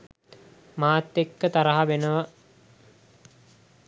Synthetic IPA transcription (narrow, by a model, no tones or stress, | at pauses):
maːt̪ːekːət̪aɾɐɦaʋenəʋə